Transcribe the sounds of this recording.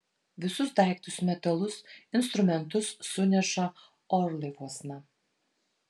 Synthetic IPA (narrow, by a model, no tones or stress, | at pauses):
ʋʲɪsʊsd̪ɑˑɪkt̪ʊsmʲɛt̪ɐlˠʊsɪnst̪ɾʊmʲɛnt̪ʊsːʊnʲɛʃɐ | ɔɾlˠɐɪʋuɔsnɐ